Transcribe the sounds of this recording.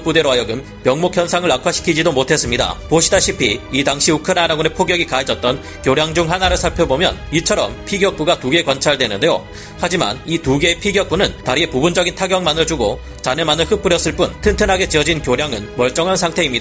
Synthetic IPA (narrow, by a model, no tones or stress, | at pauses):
k̚p͈ude̞ɾoɦajʌɡɯn | pjʌŋmokʰjʌnsʰaŋɯɭakʰwaɕʰi̥kʰid͡ʑidomotʰe̞s͈ɯmɲida̰poɕʰidaɕʰipʰiitaŋɕʰiukʰɯnanaɡune̞pʰoɡjʌɡikaed͡ʑʌt̚t͈ʌn | kjoɾjaŋd͡ʑuŋɦanaɾɯɭsʰaɭpʰjʌbomjʌ̰nit͡ɕʰʌɾʌmpʰiɡjʌk̚p͈uɡatuɡe̞kwant͡ɕʰaɭdwe̞nɯnde̞jo̰ | had͡ʑima̰nituɡe̞pʰiɡjʌk̚p͈unɯntaɾie̞pubund͡ʑʌɡintʰaɡjʌŋmanɯɭt͡ɕuɡo | t͡ɕanemanɯɭɸɯk̚p͈ɯɾjʌs͈ɯɭp͈untʰɯntʰɯnɦaɡe̞t͡ɕiʌd͡ʑinkjoɾjaŋɯnmʌɭt͡ɕ͈ʌŋɦansʰaŋtʰe̞imɲida